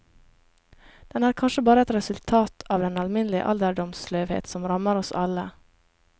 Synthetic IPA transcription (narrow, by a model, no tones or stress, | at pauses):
d̪̥ɛnæːɾkʰɑnʂəbɑːɾəɛt̪ɾɛsʉlt̪ʰɑːt̪ʰɑːʋd̪ɛnɑlmɪnlɪə̰ʔɑ̰ld̪əɖɔmsløːʋhḛːt̪sɔmɾɑməɾɔsɑ̰lə